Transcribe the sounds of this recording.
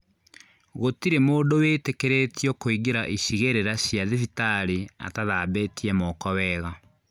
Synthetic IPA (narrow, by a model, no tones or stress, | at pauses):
ɣotiɾemoːdowetekeɾetjɔkoiɡeɾaʔiɕiɣeɾeɾaɕjaðefitaɾia̰taðabetʰiɛmɔːkɔwɛɣa